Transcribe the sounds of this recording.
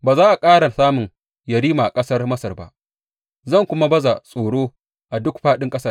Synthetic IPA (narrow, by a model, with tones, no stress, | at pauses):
baː˨zaː˦ʔa˨kʼaː˦ɽa˨saː˦mʊ˨ŋ | jɐ˨ɽiː˦maː˨kʼɐ˦sɐ˦rmɐ˦sɐ˨rba̰˨ʔ | zɐ˦˨ŋkʷʊ˦ma˦bɐ˦za˨sʼoː˨ɽoː˦ | ʔa˨dʊ˦kɸaː˦ɗɪ˦ŋkʼɐ˦sɐ˦